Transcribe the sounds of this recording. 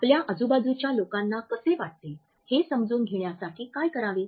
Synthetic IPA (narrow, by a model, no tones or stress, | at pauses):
apljaʔəd͡zubad͡zut͡ɕjalokanːakəseʋaʈ̚t̪e | hesəmd͡zuːnɡʱeɳjasaʈʰiːkajkəɾaʋe